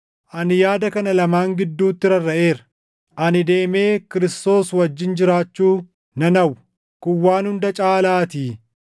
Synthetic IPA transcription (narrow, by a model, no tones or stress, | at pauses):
ʔɐnɪjaːd̪ɐkɐnɐlɐmaːŋɡɪd̪ːuːt̪ːɪɾɐrːɐʔe̞ːɾɐ | ʔɐnɪd̪e̞ːme̞ːkɪɾɪst̪o̞ːswɐd͡ʒːɪnd͡ʒɪɾaːt͡ʃːuː | nɐnɐw | kʊwːaːnhʊnd̪ɐt͡ʃʼaːlaːt̪iː